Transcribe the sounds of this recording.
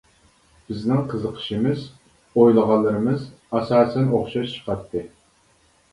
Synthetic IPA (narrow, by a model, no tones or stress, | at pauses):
b̥ɪznɪŋqʰəzəqʰə̥ʃimɨz | ojlˠəʁɑlˠːɨɾɨmɨz | ɑsɑːsɛnoχʃɑʃt͡ʃʰə̥qʰɑt̪ʰːɨ